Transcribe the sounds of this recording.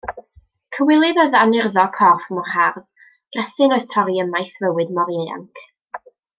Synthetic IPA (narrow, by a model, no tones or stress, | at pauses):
kʰəwɪlˠɨðəðanɪrðɔkʰɔrfmʊrharð | ɡ̥rɛsɨnɔtʰɔɾiəmajθvəwɨdmɔɾea̰ŋkʰ